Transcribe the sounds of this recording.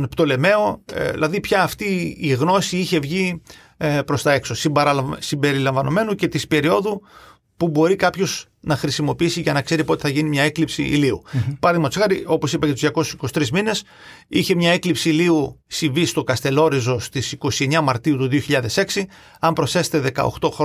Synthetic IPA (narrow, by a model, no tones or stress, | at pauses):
npt̪o̞le̞me̞o̞ðḭlʔɐðipçɐːft̪iːɣno̞siiçe̞vʝi | pɾo̞st̪ɐe̞kso̞sibsibe̞ɾilɐɱvɐno̞me̞nuce̞t̪ispe̞ɾio̞ðu | pubo̞ɾikɐpço̞z | nɐxɾisimo̞piisiʝɐnɐkse̞ɾipot̪e̞θɐʝinimɲɐe̞klipsḭːliṵpɐɾɐðimɐt̪osɣɐɾio̞po̞sipɐcɐt̪uzʝɐko̞su̥si̥kosi̥t̪ɾizmine̞s | içe̞mɲɐe̞klipsiːliusivist̪o̞kɐst̪e̞lo̞ɾizo̞st̪isiko̞sie̞ɲɐmɐɾt̪iut̪uðio̞çiʎɐðe̞se̞ksi | ɐmpɾosθe̞se̥t̪eðe̞kɐ̰oxt̪o̞xɾo